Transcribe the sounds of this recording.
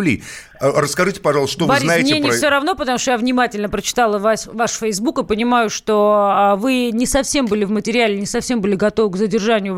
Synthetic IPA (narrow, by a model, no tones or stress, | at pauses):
lʲḭ | rəskɐʐɨtʲɪ̥pɐʐɑlˠsʂt̪ovbɨɐɾzʲnajɪmnʲɪenɪfsʲoɾɐvno̞pət̪ɐmuʂt̪ojavnʲɪmatʲɪlʲnəpɾət͡ɕɪ̥t̪alˠəvasvaʂfʲəjzbukɨpənʲɪmajʊʂt̪ovɨnʲɪsɐfsʲe̞mbɨlʲɪvmətʲɪɾʲɪalʲɪnʲɪsɐfsʲe̞mbɨlʲɪɡɐt̪o̞vɨkzədʲɪrʐanʲɪjʊ